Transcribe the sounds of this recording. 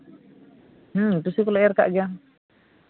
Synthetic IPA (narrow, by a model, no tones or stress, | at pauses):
h̩t̪ʊsikulaɛrka̰ʔɡaŋ